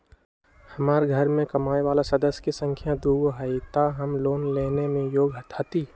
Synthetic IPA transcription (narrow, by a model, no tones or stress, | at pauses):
hɐmaːɾɡʱəɾmẽkəmaːeʋaːlasəd̪əsjkisə̃ŋkʰjãd̪uːɡoɦəit̪aɦəmloːnleːnemẽjoːɡɦət̪ʰat̪i